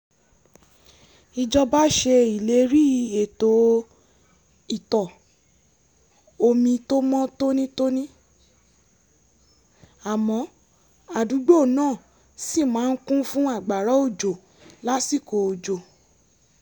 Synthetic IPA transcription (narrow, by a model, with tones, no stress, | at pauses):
i˧d͡ʒɔ˧ba˦ʃe˧i˨le˨˦ɾi˦˨e˨to˨˦ | i˨tɔ˨ | o˧mĩ˧to˦mɔ̃˦to˦nĩ˦to˦nĩ˦ | a˨mɔ̃˨˦ | a˨du˨˦ɡ͡bo˦˨nãː˦˨ | si˦˨mãː˨˦n̩˦kũ˦fũ˦a˦˨ɡ͡ba˨ɾɔ˨˦o˦˨d͡ʒo˨ | la˦si˦˨ko˨o˨d͡ʒo˨